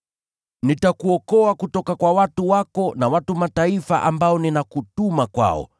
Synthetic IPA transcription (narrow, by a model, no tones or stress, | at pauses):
nitakuɔkɔakutɔkakwawatuwakɔnawatumataifa̰ʔambaɔninakutumakwa̰ɔ̰